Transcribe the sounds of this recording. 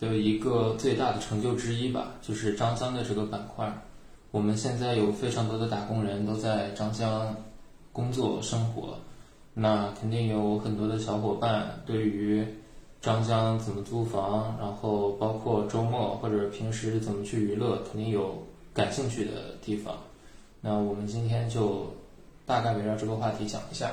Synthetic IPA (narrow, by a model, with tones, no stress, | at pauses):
t̪we˥˩ɪi˧˥ɡə˧t͡swe˥˧ɪt̪a˥˩d̪ə˩ʈ͡ʂʰɤ˧˥ŋt͡ɕjo˥˩ʊʈ͡ʂɻ̩˥i˥bɐ̰˨˩t͡ɕjo˥˧ʊʂɻ̩˥˩ʈ͡ʂɑ˥ŋɕjɑ˥ŋd̪ə˨˧ʈ͡ʂɤ˥˩ɡə˩pa˨˩nkʰwa˥˩n | wɔ˨˩mə˦nɕjɛ˥˧nt͡sa˥˩ɪjo˨˩ʊfe˥ɪʈ͡ʂʰɑ˧˥ŋt̪wɔ˥d̪ə˧t̪a˨˩kʊ˥ŋɻə˧˥nt̪o˥ʊt͡sa˥˧ɪʈ͡ʂɑ˥ŋɕjɑ˥ŋ | kʊ˥ŋt͡swɔ˥˩ʂɤ˥ŋxwɔ̰˧˥ | na˥˧kʰə˨˩nt̪i˥˩ŋjo˧˥ʊxə˨˩nt̪wɔ˥d̪ə˧ɕjɑ˧˥ʊxwɔ˨˩pa˥˧nt̪we˥˩ɪy˧˥ | ʈ͡ʂɑ˥ŋɕ̬jɑ˥ŋt͡sə˨˩nmə˦t͡su˥fɑ˧˥ŋɻa˧˥nxo˥˩ʊpɑ˥ʊkʰwɔ˥˩ʈ͡ʂo˥ʊmwɔ˥˩xwɔ˥˩ʈ͡ʂɤ˨˧˩pʰi˧˥ŋʂɻ̩˧˥t͡sə˨˩nmə˦t͡ɕʰy˥˩y˧˥lɤ˥˩kʰə˨˩nt̪i˥˩ŋjo˧˥ʊ | ka˨˩nɕi˥˧ŋt͡ɕʰy˥˩d̪ə̰˩t̪i˥˩fɑ̰˨˩˦ŋ | na˥˩wɔ˨˩mə˦nt͡ɕi˥nt̪ʰjɛ˥nt͡ɕjo˥˧ʊ | t̪a˥˧ka˥˩pe˧˥ɪɻɑ˥˧ʈ͡ʂɤ˥˩ɡə˩xwa˥˩t̪ʰi˧˥t͡ɕjɑ̰˨˩ŋi˧˥ɕja̰˥˩